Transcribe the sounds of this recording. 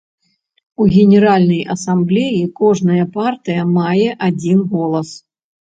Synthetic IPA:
uɣʲɛnʲɛɾalʲnɐjʔɐsamblʲɛjikɔʐnɐjɐpart̪ɨjɐmajɛʔad͡zʲinɣɔlˠɐs

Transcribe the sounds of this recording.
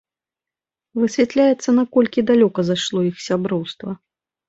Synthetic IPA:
vɨsʲvʲat̪lʲajɛt̪sːɐnakɔlʲkʲid̪alʲɔkɐzaʂlˠɔixsʲabɾɔwst̪vɐ

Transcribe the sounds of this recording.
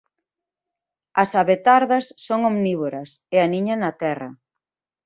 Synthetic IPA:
ɐsaβet̪aɾðɐsːoŋomniβoɾɐseaniɲɐnɐt̪ɛrɐ̰

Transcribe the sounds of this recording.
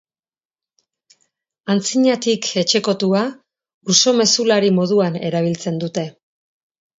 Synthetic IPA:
ant͡siɲat̪ikʰe̞t͡ʃe̞ko̞t̪ua | uso̞me̞sulaɾimo̞ðuane̞̰ɾaβ̞ilt͡se̞nd̪ut̪e̞

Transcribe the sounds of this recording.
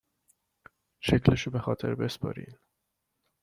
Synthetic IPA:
ʃecʰleʃobexɒːt̪ʰe̞̰ɾbe̞spɒ̰ːɾḭːn

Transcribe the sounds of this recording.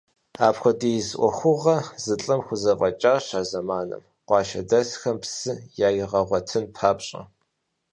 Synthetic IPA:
aːpxʷɔdijzʔʷɔxʷʊʁɐzɨɬʼɨmxʷʊzɐvʼɐt͡ʃʼaːɕaːzɐmaːnɨ̰m | qʷɑːʃɐ̰dɐsxɐmpsɨjaːjɪʁɐʁʷɔtʰɨnpʰaːpɕʼɐ̰

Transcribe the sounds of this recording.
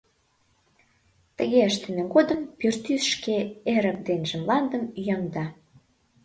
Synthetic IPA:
t̪əɣeəʃt̪ə̆meɣod̪əmpørt̪ysʃkeeɾə̆k̚d̪enʒə̆mlɑnd̪əmyjɑŋd̪ɑ

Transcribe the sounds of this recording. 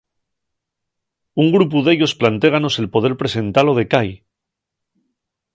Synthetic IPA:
uŋɡɾup̬uðe̞ʎo̞splant̪e̞ɣ̞ano̞se̞lpo̞ð̞eɾpɾe̞se̞nt̪alo̞ð̞e̞kaj

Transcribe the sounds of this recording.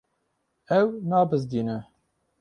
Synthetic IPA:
ɛwnɑːbɨzd̪iːnɨ

